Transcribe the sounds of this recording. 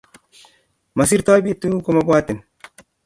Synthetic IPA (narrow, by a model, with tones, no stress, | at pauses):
ma˨s̬i˦ɾt̪a˦bi˦t̪ːu˦ko˦ma˦bwa˦t̪i˨n